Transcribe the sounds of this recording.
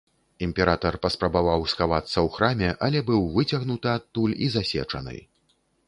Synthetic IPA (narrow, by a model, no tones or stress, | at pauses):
imʲpʲɛɾat̪ɐrpɐspɾɐbavawsxavat̪sːɐwxɾamʲɛʔɐlʲɛbɨwvɨt͡sʲɐɣnut̪ɨat̪ːulʲizasʲɛ̰t͡ʂɐ̰nɨ̰j